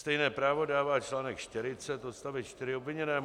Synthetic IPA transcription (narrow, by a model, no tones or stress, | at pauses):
st̪ɛjnɛːpɾaːvo̞daːvaːt͡ʃlaːnɛkʃt̪ɪɾɪt͡sɛt̪ʔost̪avɪt̪t͡ʃt̪ɪɾɪobvɪɲɛnɛː